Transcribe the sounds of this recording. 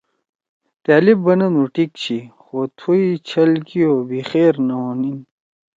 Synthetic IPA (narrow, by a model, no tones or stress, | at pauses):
t̪aːlibːɐnɐnuʈikt͡ɕʰixot̪ʰuit͡ɕʰɐlkijobixeːɾnɐoːnin